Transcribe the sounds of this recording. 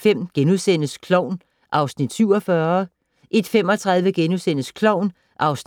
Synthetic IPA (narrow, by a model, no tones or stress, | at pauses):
fem̰ɡ̥enuðˠsen̰əskʰlɒʊ̰n | ʔɑ̈ʊsnid̥syʊ̰ɒfɶɐ | ʔe̝d̥fem̰ɒ̽t͡sʰʁað̞ˠʋəɡ̥enusenəskʰlɒʊ̰n | ʔɑ̈ʊsn